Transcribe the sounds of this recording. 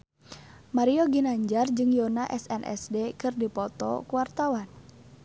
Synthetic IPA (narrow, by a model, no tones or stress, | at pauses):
maɾiɔɡinaɲd͡ʒard͡ʒɨŋjɔnaʔɛsɛnʔɛ̰sdekɨrdipɔt̪ɔ̰kuwart̪awan